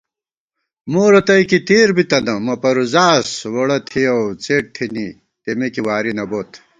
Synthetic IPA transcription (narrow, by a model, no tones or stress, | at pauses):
moːɾɐt̪ɐjkit̪eːɾbit̪ɐnd̪ɐmɐpɐɾuzaːswoɽɐt̪ʰijɐwt͡seːʈ̚t̪ʰini | t̪emekiwaːɾinɐboːt̪